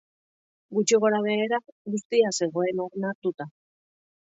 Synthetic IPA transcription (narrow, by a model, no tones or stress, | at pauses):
ɡut͡ʃiɣ̞o̞ɾaβeːɾaɡust̪iase̞ɣ̞o̞e̞no̞ɾnat̪ut̪a